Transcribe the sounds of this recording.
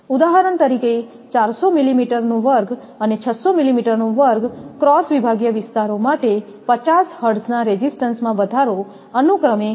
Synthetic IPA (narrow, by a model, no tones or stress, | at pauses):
ud̪aɦəɾəɳt̪əɾike | t͡ʃaɾsomilimiʈəɾnũʋəɾɡ | ənet͡ʃʰət̪somilimiʈəɾnũʋəɾɡkɾɔsʋibʱaɡjəʋɪst̪aɾomaʈe | pət͡ʃashəɖsnaɾed͡ʒisʈənsmãbəd̪ʱaɾo | ənukɾəme